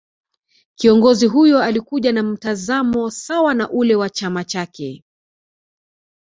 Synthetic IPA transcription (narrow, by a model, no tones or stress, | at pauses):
kiɔŋɡɔziɦujɔalikuʄanam̩tazamɔsawanaʔulɛwat͡ʃamat͡ʃakɛ